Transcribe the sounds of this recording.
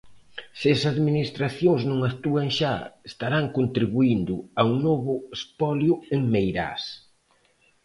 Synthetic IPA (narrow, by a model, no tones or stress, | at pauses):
sɪsaðminist̪ɾaθjoŋznõŋakt̪uaŋʃa̰est̪aɾaŋkont̪ɾiβuind̪ʊauŋnoβʊespɔljʊeŋmejɾa̰s